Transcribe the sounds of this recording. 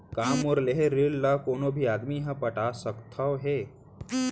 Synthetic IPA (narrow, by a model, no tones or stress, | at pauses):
kaːmoɾleɦeɾilːakoːnobʱiaːd̪miɦə̃pəʈaːsəkt̪ʰaʋɦe